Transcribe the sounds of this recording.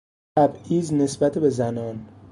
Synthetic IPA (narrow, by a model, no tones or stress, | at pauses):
æbiːzne̞sbæt̪ʰebe̞zænɒːn